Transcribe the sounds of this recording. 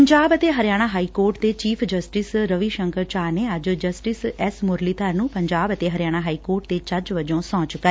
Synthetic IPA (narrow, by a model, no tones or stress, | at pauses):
əɲd͡ʒaːbət̪eːɦəɾɪjaːɽ̃aːɦaːiːkoːɾʈt̪eːt͡ʃiːpʰd͡ʒəsʈɪsɾəʋiːʃəŋkəɾt͡ʃaːneːəd͡ʒd͡ʒəsʈɪsɛsmʊɾliːt̪ʰəɾnũːpəɲd͡ʒaːbət̪eːɦəɾjaːɽ̃aːɦaːiːkoːɾʈ̚t̪eːt͡ʃəd͡ʒʋəd͡ʒõːsɔ̃ːt͡ʃkːa